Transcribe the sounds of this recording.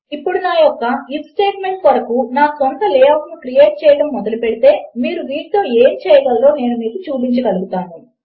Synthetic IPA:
ipːuɽunaːjɔkːɐipsʈe̞ːʈme̞ɳʈʋɐɽɐkunaːsɔnt̪ɐlɛːaːkɐnukɾije̞ːʈ̚t͡ʃɛːjɐɽɐmːɔd̪ɐlupeɽit̪e̞ːmiːɾuʋiːɾt̪oːeːmt͡ʃɛːjɐɽaːllo̞ːne̞ːnumiːkut͡ʃuːpiɲt͡ʃɐkɐluɡut̪aːnːi

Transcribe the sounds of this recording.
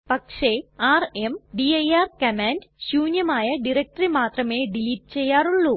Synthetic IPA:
pɐkʂeaːremɖiɐjaːrkɐmaːndɕuːɲjɐmaːjɐɖiɾek̚ʈɐrimaːt̪rɐme̞ːɖiliːʈ̚t͡ɕe̞jːaːruɭːu

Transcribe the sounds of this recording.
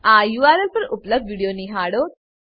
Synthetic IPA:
ajuaɾelpəɾupləbd̪ʋiɽijoniɦaɽo

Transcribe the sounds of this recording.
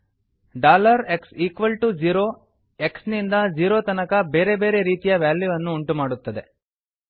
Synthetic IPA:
ɖaːlɐɾe̞ksiːkʋɐlʈud͡ʒiːɾoː | e̞ksnind̪ɐd͡ʒiːɾoːt̪ɐnɐkɐbe̞ːɾe̞be̞ːɾe̞ɾiːt̪ijɐʋjaːljuʋɐnːuːɳʈumaːɽut̪ːɐd̪e̞

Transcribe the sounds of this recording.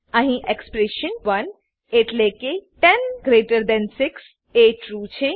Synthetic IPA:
ɐɦĩʔekspɾeʃənʋɐn | eʈlekeʈɛnɡɾeːʈəɾd̪ɛ̃nsɪks | eːʈɾuːt͡ʃʰe

